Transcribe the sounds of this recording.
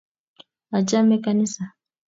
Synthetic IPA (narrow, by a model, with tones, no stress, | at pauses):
a˨t͡ʃa˦mɛ˦kanisa˨